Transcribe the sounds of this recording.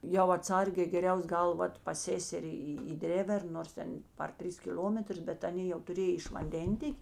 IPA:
jɛʊ ɐtˈsɐrʲɡʲeː ɡʲɛˈrʲɛʊs ˈɡɐlˠ ˈʋɐt pɐs ˈsʲeːsʲɛrʲɪ iː iː ˈdʲrʲeːʋʲɛrn noːrs ˈtʲɛn pɐr ˈtʲrʲɪs kʲɪˈlʲoːmʲɛtrʊs ˈbʲɛt ɐˈnʲeː jɛʊ tʊˈrʲeːj ɪʃ ʋɐnʲˈdʲɛnʲtʲeːkʲ

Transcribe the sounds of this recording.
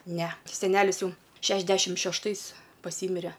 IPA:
ˈnʲɛ sʲɛˈnʲæːlʲɪs ˈjɛʊ ˈʃʲæːʒʲdʲɛʃʲɪm ʃʲɛʃˈtɐɪs pɐˈsʲiːmʲɪrʲɛ

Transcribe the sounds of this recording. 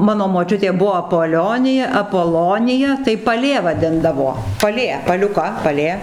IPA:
ˈmɑːnoː moːˈt͡ʃʲʊtʲeː ˈbʊʋoː ɐpoːˈlʲoːnʲɪjɛ ɐpoːˈlˠoːnʲɪjɛ tɐɪ pɐˈlʲeː ʋɐˈdʲɪndɐʋoː pɐˈlʲeː pɐlʲʊˈkɐ pɐˈlʲeː

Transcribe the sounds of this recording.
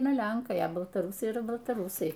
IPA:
ˈɐɪnɐ ˈlʲɛŋkɐɪ ɐ bɐlˠtɐˈrʊsɐɪ iːˈrɐ bɐlˠtɐˈrʊsɐɪ

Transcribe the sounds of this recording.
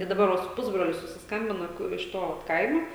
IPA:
ɪ dɐˈbɐr ʋɐ sʊ ˈpʊzbroːlʲʊ sʊsʲɪsˈkɐmʲbʲɪnɐ ˈkʊ ɪʃ ˈtoː ʋɐt ˈkɐɪmoː

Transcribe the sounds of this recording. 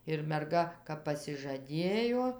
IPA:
ɪr mʲɛrˈɡɐ kɐp pɐsʲɪʒɐˈdʲeːjoː

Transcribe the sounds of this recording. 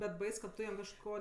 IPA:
bʲɛt ˈbɐɪs kɐt ˈtʊ jɛm kɐʃˈkoː

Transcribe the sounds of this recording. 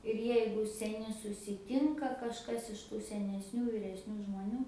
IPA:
ɪr ˈjɛɪɡʊ sʲɛˈnʲɪ sʊsʲɪˈtʲɪŋkɐ kɐʃˈkɐs ɪʃ ˈtuː sʲɛnʲɛsʲˈnʲuː ʋʲiːrʲɛsʲˈnʲuː ʒmoːˈnʲuː

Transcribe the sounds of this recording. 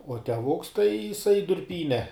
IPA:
uɔ tʲɛˈʋʊks tɐɪ jɪˈsɐɪ dʊrʲˈpʲiːnʲɛ

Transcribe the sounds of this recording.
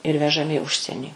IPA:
ɪr ʋʲɛʒɐˈmʲɪ ɪ ˈʊʃʲsʲiɛnʲiː

